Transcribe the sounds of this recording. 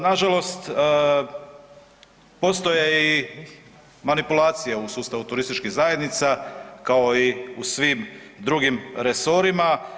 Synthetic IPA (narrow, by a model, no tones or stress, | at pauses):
naʒalo̞st̪ː | po̞st̪o̞jei | manipulˠaːt̪sijeusuːst̪aʋut̪uɾist̪it͡ʃkiɣzajed̪nit̪sakao̞iusʋimd̪ɾuɡimɾe̞so̞ɾima